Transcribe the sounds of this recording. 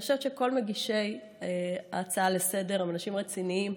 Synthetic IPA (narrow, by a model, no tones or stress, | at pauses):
oʃevet͡ʃeko̞lmeɡiʃe̞j | a̰ːt͡saalese̞de̞ʁimanaʃimʁet͡siniim